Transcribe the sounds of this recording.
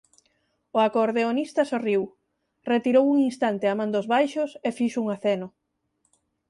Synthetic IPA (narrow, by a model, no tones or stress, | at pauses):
ʊakoɾðeonist̪asoriw | ret̪iɾowuŋinst̪ant̪eamãnd̪ozβajʃʊsefiʃuŋaθɛnʊ